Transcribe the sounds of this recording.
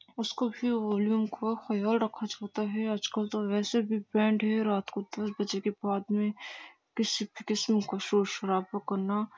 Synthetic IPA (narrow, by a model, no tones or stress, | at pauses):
ʊskobʱiʋɔːljuːmkʰoxɐjaːlɾɐkʰːad͡ʒaːt̪aɦɛɐd͡ʒkəlt̪oʋɛːsebʱibɛ̃ːɳɖɦɛɾaːt̪kod̪ɐsbɐd͡ʒekebaːd̪mẽ | kɪsibʱikɪsmkoʃuːɾʃɐɾaːfokɐɾna